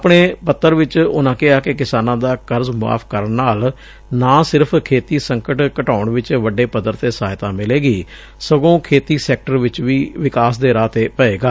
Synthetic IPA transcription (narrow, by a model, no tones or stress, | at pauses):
pɳeːpət̪ːəɾʋɪt͡ʃʊnãːkɪɦaːkɪkɪsaːnãːd̪aːkəɾzmʊa̰ːpʰkəɾəɳːaːl | naːsɪɾəpʰkʰeːt̪iːsəŋkəʈkəʈaːʊɳʋɪt͡ʃʋəɖeːpəd̪əɾt̪eːsaːɦɪt̪ãːmɪleːɡiː | səɡõːkʰeːt̪iːsɛːk̚ʈəɾʋɪt͡ʃʋiːʋɪkaːsd̪eːɾaːt̪eːpəeːɡaː